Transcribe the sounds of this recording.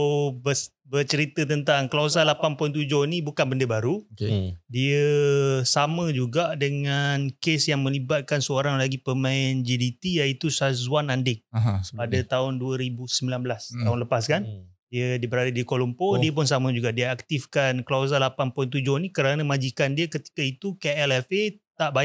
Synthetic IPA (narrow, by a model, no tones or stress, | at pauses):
bə | bərt͡ʃəɾit̪ət̪ənt̪aŋkəlas̬alapanpʊnt̪̬ud͡ʒʊhnibukanbəndəbaɾukdiəsamə̃d͡ʒuɡaʔdəŋankesjaŋmə̃libat̪̚kansəoɾaŋlaɡipəmãɪnd͡ʒidit̪ijait̪usazuanandɪk̚padat̪aʊnduəɾibusəmbilanbəlast̪aɦʊnləpaskan | diədibəɾadadikolumpodiəp̬ʊnsamə̃d͡ʒuɡaʔdiəak̚t̪ifkanklaas̬alapanpɔjnt̪̬ud͡ʒʊhnikəɾanamãd͡ʒikandiəkət̪i̥kait̪ukeɛlɛfet̪aʔbaj